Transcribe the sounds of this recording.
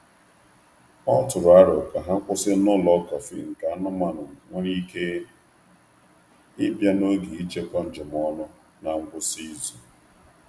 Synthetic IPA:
ɔ˦tʊ˨ɾʊ˨a˦ɾʊ˨ka˨ɦa˦ŋ̩˦kʷʊ˦sɪ˦nʊ˦lɔ˦kɔ˨fḭ˦ŋ̩˨ka˨˦nʊ˦ma˦˨nʊ˨ŋʷe˦ɾi˦ke˦ | ɪ˦bja˦no˦ɡi˨i˦t͡ʃe˦kɔ˦n̩˦d͡ʒɪ˨m˨ɔ˦nʊ˦ | na˨ŋ͡m̩˦bʊ˦si˦zu˨

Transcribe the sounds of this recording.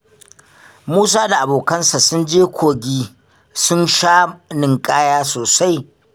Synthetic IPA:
muː˦s̬aː˦da˨ʔa˨boː˨kɐ˦nsa˨sʊ˦nd͡ʒeː˦kʷʰoː˨ɡʲiː˦ | sʊ˦nʃaː˦nɪ˨ŋkʼaː˦jaː˦soː˨sa˦j

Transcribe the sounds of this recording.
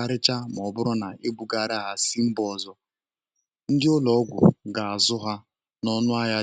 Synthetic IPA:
a˦ɾɪ˦t͡ʃa˦m˨ɔ˨˦bʊ˦ɾɔ˦na˨e˦bu˨ɡa˨ɾɪ˦˨ɦa˨si˦m̩˦bɔ˦˨zɔ˦ | n̩˦dɪ˦ʊ˦lɔ˨˦ɡʷʊ̰˨ɡa˨a˨zʊ˦ɦa˦ | nɔ˦nʊ˦a˦ja˦

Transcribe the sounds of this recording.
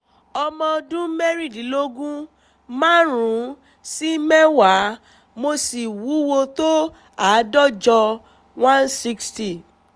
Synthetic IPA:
ɔ˧mɔ̃˧dũ˦mɛ˦ɾi˦˨di˨˦lo˦ɡũ˦ | mã˦ɾũ˨˦ | si˦mɛ˦wa˨˦ | mo˧si˨wu˨˦wo˧to˦ | a˨˦dɔ˦d͡ʒɔ˧ | wã˦nsi˦ksti˨

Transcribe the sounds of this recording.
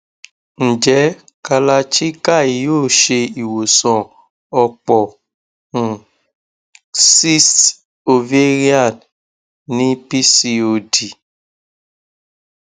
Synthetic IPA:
n̩˨d͡ʒɛ˨˦ | ka˧la˧t͡ʃi˦ka˦˨i˨joː˦˨ʃe˧i˨wo˨sɔ̃˨ | ɔ˧k͡pɔ˨ | n̩˨ | si˦st | o˧ve˦ɾi˦a˦˨n | nĩ˦pi˦si˧o˧di˨

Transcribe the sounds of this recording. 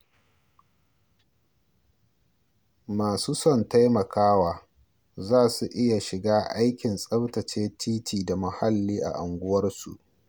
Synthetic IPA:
maː˨suː˦sɔ˦˨nta˦jmɐ˨kʰaː˦waː˨ | zaː˦˨su˨ʔɪ˦ja˨ʃɪ˨ɡaː˦ʔa˦jkʲɪ˨nsʼɐ˦btɐ˨t͡ʃeː˦tiː˦tʰiː˨da˨mɐ˨ha˦lːiː˦ʔa̰˨ʔa˨ŋɡʷʊ˦wɐ˦rsṵ˨ʔ

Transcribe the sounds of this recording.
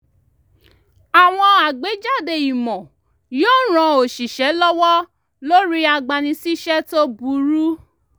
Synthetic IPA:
a˨w̃ɔ̃˧a˨ɡ͡be˨˦d͡ʒa˦˨de˨i˨mɔ̃˨ | joː˦ɾ̃ã˨˧o˨ʃi˨ʃɛ˨˦lɔ˦wɔ˦ | lo˦ɾi˦a˨ɡ͡ba˨nĩ˧si˦ʃɛ˦to˦bu˨˦ɾu˦

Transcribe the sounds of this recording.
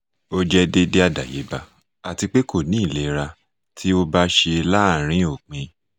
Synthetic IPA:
o˦d͡ʒɛ˦de˦de˦a˦˨da̰˨jḛ˨˦ba˧ | a˨ti˧k͡pe˦ko˦˨nĩ˨˦i˦˨le˨˦˧ɾa˧ | tʰi˦o˦ba˦ʃe˧la˦˨ɾ̃ĩ˦o˦˨k͡pĩ˧

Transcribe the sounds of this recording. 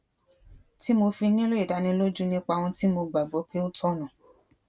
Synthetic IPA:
ti˨˦mo˧fi˧nĩ˦lo˦i˨da˨˦nĩ˧˦lo˦d͡ʒu˦nĩ˦k͡pa˧w̃ɔ̃˧ti˦mo˧ɡ͡ba˨ɡ͡bɔ˨˦k͡pe˦o˦tʰɔ˦nã˨

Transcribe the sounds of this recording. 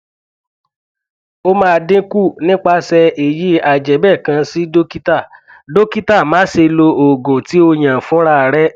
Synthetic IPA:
o˦mãː˦˧dĩ˦ku˦˨nĩ˦k͡pa˧sɛ˧e˨ji˦a˨d͡ʒɛ˨˦bɛ˦˨kã˧si˦do˦ki˦ta˦˨ | do˦ki˦ta˦˨mã˨˦se˧lo˧o˨ɡõ˨ti˨˦o˧j̃ã˨fũ˦ɾa˦˧˨ɾɛ˦

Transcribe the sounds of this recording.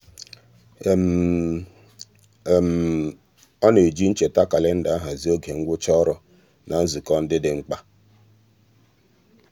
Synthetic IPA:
m˨ | m̩˨ | ɔ˦ne˨d͡ʒi˦n̩˦t͡ʃe˨ta˦ka˨lɪ˦n̩˦da˨˦a˦ɦa˨zi˦o˦ɡe˨ŋ̩˦ɡʷʊ˦t͡ʃɔ˦ɾɔ˨ | na˨n̩˦zu˨kɔ˦n̩˦dɪ˦dɪ˨ŋ͡m̩˦k͡pa˦

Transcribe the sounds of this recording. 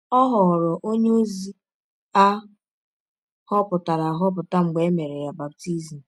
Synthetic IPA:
ɔ˦ɦɔ˨ɣɔ˨ɾɔ˨ʔo˦ɲe˦zi˦ | a˦ | hɔ˦pʊ˨ta˨ɾa˨ɦɔ˦p̬ʊ˨ta˦ŋ͡m̩˨ɡ͡be˨˦me˨ɾe˨ja˨ba˨p̚ti˦zi˨m̩˨

